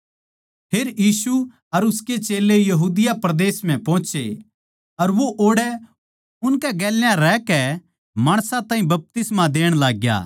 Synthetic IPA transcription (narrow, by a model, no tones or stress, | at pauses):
pʰeːɾjiːsu | ɐɾʊsket͡ʃeːlejɐɦuːd̪ɪjapɾɐd̪eːsm̤ɛ̃pɔ̃ːt͡ʃe | ɐɾʋoʔoːɽɛ | ʊnkɛɡɛːljãɾɛːkɛ | maːɽ̃sãt̪ãːĩbɐp̚t̪ɪsmãd̪eːɽ̃laːɡja̰ː